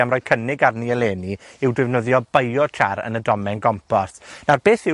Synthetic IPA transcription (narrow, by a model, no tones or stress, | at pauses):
amrɔːkʰənɪɡarniɛlˠeːniɪwdwɪvnəðjɔbəjɔtʰaɾə̰nədɔmɛnɡɔmpʰɔsnarbeːθɪ